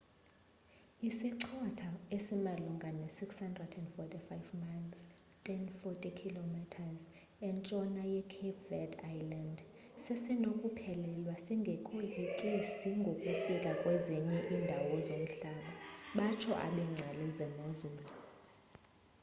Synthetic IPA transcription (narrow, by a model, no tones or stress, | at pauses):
isiǀʰɔtʰaesimalɔŋɡʱanɛsikshandrɛdɛndfɔtʼifajvmans | tʼɛnfɔtʼikʰilomitʰaz | ɛnt͡ʃʼɔnajɛkʰipʰvɛdajland | sesinokʼupʰɛlɛlwasiŋɡʱɛkʼwiʔiǁʼisiŋɡʱokʼufikʼakʼwɛziɲɛʔindʱawɔzom̩ɬaɓaɓat͡ʃʰɔʔa̰ɓɛŋ͡ǀʱalɛzɛmozuːlɔ